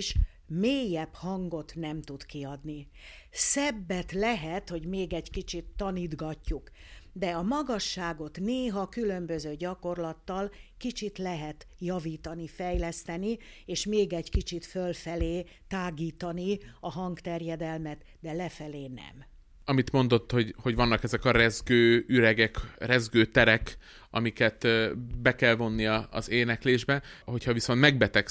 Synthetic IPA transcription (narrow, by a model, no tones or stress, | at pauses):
ʃ | meːjɛphɒŋɡo̞t̪nɛmt̪ud̪kiɒd̪nisɛbːɛt̪lɛɦɛt̪ho̞ɟmeːɡɛɟkit͡ʃit̪ːɒniːd̪ɡɒcːukd̪ɛɒmɒɡɒʃːaːɡo̞t̪neːɦɒkylø̞mbø̞zøːɟɒko̞rlɒt̪ːɒlkit͡ʃit̪lɛɦɛt̪jɒviːt̪ɒnifɛjlɛst̪ɛnieːʃmeːɡɛɟkit͡ʃit̪følfɛleː | t̪aːɡiːt̪ɒniɒɦɒŋkt̪ɛrjɛd̪ɛlmɛt̪ | d̪ɛlɛfɛleːnɛ̰m | ɒmit̪mo̞nd̪o̞t̪ːho̞ɟho̞ɟvɒnːɒkɛzɛkɒɾɛzɡøːyɾɛɡɛkrɛzɡøːt̪ɛɾɛk | ɒ̰mikɛt̪bɛkɛlvo̞nːiɒɒ̰zeːnɛkleːʒbɛho̞chɒviso̞nt̪mɛɡbɛt̪ɛk